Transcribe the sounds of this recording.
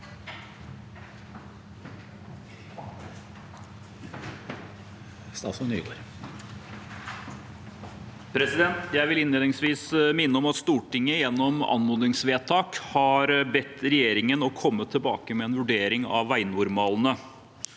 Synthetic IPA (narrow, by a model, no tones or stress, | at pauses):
st̪ɑ̰ːsɔny̰ːɡoːɾ | pʰɾɛsɪd̪ɛnt̪jæɪʋɪlɪnleːd̪ɪŋsʋiːsmɪnːəɔmɑt̪st̪uːʈɪŋːəjɛnːɔmɑ̰nmuːd̪ɪŋsʋeːt̪ʰɑːkhɑɾbɛt̪ːɾɛjeːɾɪŋənɔkʰɔmːət̪ʰːɪlbɑ̰ːkəmɛɛːnʋʉɖeːɾɪŋɑ̰ʋʋæɪnʊɾmɑːln̩ə